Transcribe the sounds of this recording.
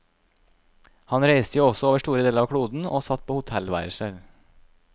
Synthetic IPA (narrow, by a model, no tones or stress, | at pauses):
hɑnɾæɪst̪əjuːɔsɔoːʋəʂʈuːɾəd̪eːləɾɑʋkʰɽuːd̪n̩o̰ːsɑt̪pʰoːhʊt̪ʰɛlʋæ̰ɪɾəsɛl